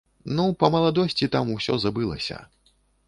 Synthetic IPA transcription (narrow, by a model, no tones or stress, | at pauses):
nupɐmɐlˠad̪ɔsʲt͡sʲit̪amusʲɔzabɨlˠɐ̰sʲɐ̰